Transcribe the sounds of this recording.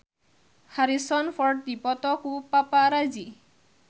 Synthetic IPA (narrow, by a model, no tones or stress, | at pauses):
haɾisɔnpʰɔɾɖd̪ipɔt̪ɔkupapaɾad͡ʒi